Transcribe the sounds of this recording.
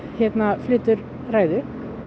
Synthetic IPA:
heːt̪nɑflʏt̪əɾ | ɾæɪd̪əɾ

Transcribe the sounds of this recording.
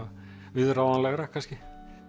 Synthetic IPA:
vɪðrawvanlɛɣɾakʰanscɪ

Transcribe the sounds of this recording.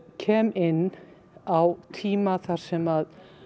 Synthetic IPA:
cʰɛːmɪnː | awt̪ʰiːmaθaɾ̥sɛmað

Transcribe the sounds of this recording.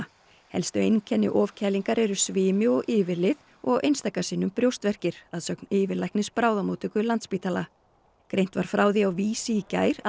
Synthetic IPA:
hɛ̰lst̪ʏejncʰɛnːɪ̰ʔɔːvcʰɛːliŋkaɾɛɾʏsvɪːmɪɔɣʔɪːvɪɾlɪð | ɔɣḛjnst̪akasiːnʏmpɾjowst̪vɛr̥cɪɾ̥aðsœknɪːvɪlajhknɪspɾaːwðamowt̪ʏkʏlant̪spiːt̪ala | kɾejn̥t̪vaɾ̥fɾaːwðiawviːsica̰ːjɾ

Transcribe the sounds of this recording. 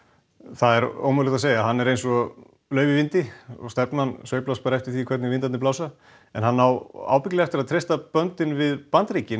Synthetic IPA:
θaðɛɾo̰ːwmœwlɪt̪aseːjaɦanːɛɾejnsɔ | lœːɥvɪvɪnt̪ɪɔ̰st̪ɛpnmansœɥjplaspaɾɛft̪ɪɾ̥θikʰvɛɾt̪nɪɪnt̪anɪplawsa | ɛnhanːawa̰ːwpɪc̬lɪɛft̪ɪɾaðt̪ʰɾejst̪apœnt̪ɪnvɪðpant̪ɾiːcɪn

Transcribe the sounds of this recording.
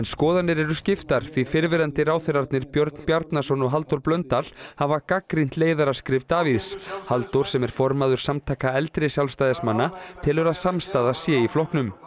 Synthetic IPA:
ɛnskɔːðanːɪɾɛɾʏscɪft̪aɾ̥θvifɪɾvɪɾant̪ɪɾaːwθɪɾaɾt̪nɪɾpjœɾt̪n̥pjaɾt̪nasɔnɔɦalt̪ɔɾplœnt̪al̥havakakɾin̥t̪leːjðaɾḁskɾɪvt̪aːviðshalt̪ɔɾ̥sɛmɛɾ̥fɔɾmaðʏɾ̥samt̪ʰaːjkaɛlt̪ɾɪsjawlst̪ajðɪsmanːat̪ʰɪlʏɾaðsamst̪aːðasjɛiflɔhknʏm

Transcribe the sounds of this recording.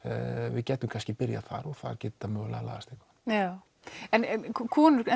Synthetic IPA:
vɪ̰ðcɛːt̪ʏmkʰanscɪpɪɾja̰θa̰ɾɔɣθa̰ɾcɛːt̪t̪amœːɣla̰la̰ðast̪ehkvḁja | ɛnɛkʰkʰuːnʏɾɛ

